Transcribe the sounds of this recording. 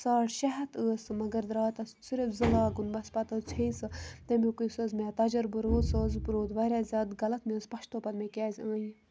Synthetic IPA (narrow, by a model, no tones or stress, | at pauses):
saːʈʃɐɦɐt̪əːsɨmɐɡɐɾd̪ɾaːt̪ɐssiɾɐfzɨlaːɡunbɐspɐt̪ɐt͡sʰẽsɨt̪ɐmĩkusɐːzmẽːt̪ɐd͡ʒɐɾbɨɾoːd̪səːzbɨɾoːd̪ʋɐɾʲaːzʲaːd̪ɡɐlɐt̪mẽːspɐʃt̪oːpɐd̪mẽkʲɛːzʲãːji